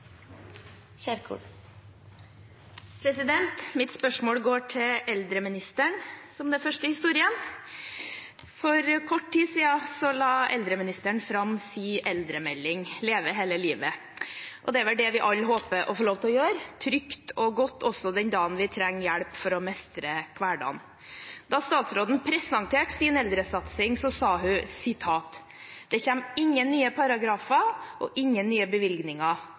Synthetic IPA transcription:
æɾkʰṵ | pʰɾɛsɪd̪ɛnt̪mɪt̪spœʂmoːlɡoːʈʰɪlʔɛld̪ɾəmɪnɪst̪əɳsɔmd̪ɛfœʂʈəhɪst̪uːɾɪən | fɔɾkʰɔʈːʈːiːsiːɑsɔlɑːɛld̪ɾəmɪnɪst̪əɳfɾɑmsiːʔɛld̪ɾəmɛlːɪŋleːʋəɦeːləliːʋə | ʔɔd̪ɛʋɛlɖɛʋɪʔɑlːɦoːpəʔɔfɔɭoːʋt̪ʰɛɔjøːɾt̪ʰɾʏkt̪ʰɔɡɔt̪ːʰɔsːɔd̪ɛnd̪ɑːənʋɪt̪ʰɾɛŋːjæɽpfɔɾɔmɛst̪ɾəkʰʋæːɖɑ̰n | d̪ɑst̪ɑːt̪sɾoːd̪n̩pʰɾɛsɑŋt̪ʰeːʈsɪːnɛld̪ɾəsɑt̪sɪŋsɔsɑːɦʉsɪt̪ʰɑːt̪ | d̪̥ɛçɛmːɪŋːənːyːəpʰɑɾɑɡɾɑːfɑʔɔ̰ʔɪŋːənːyːəbəʋɪlɡnɪŋɑ

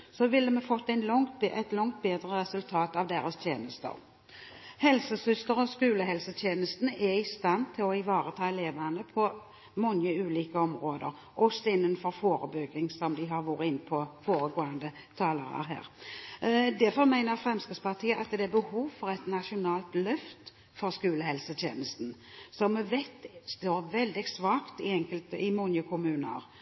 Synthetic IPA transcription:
sɔʋɪlːəmɛfɔt̪ːæɪnlɔŋt̪ʔɛt̪lɔŋt̪̚beːd̪ɾəʁɛsʉlt̪ʰɑːt̪ɑʋd̪eːɾəst̪ʰjeːnəst̪ə̰ɾ | hɛlsəsʏst̪əɾɔskʉːləɦɛlsət̪ʰjeːnəst̪nɛɾɪst̪ɑnt̪ʰɪlɔɪʋɑːɾət̪ʰɑːɛleːʋənəpʰɔ | mɔŋəʉːliːkəɔmʁoːd̪əɾ | ʔɔsɔɪnːənfɔɾfoːɾəbʏɡɪŋsɔmd̪ɪɦɑɾʋoːɾəɪnːpʰɔfoːɾəɡoːɑnd̪ə | t̪ʰɑːləɾə̰ɾɦæ̰ːɾ | d̪æɾfɔɾmæɪnəɾfɾɛmskɪspɑʁt̪ʰiːəʔɑt̪d̪ɛæɾbəhuːʋfɔɾɛt̪nɑʃʊnɑːlt̪lœft̪ | fɔɾskʉːləhɛlsət̪ʰjeːnəst̪n̩ | sɔmːɛʋɛt̪ːst̪oːɾʋɛld̪ɪsʋɑːkt̪ɪɛŋkəlt̪ɪmɔŋəkʰʊmʉːnə̰ɾ

